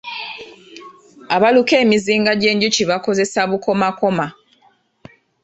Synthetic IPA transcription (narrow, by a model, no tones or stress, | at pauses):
aβaluke̞ːmiziːŋɡaɟe̞ːɲɟuciβako̞ze̞saβuko̞mako̞ma